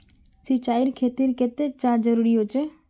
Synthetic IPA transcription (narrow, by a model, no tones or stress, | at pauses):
sɪt͡ʃaːɪɾkʰeːt̪iɾket̪et͡ʃãːd͡ʒəɾuːɾiɦoːt͡ʃe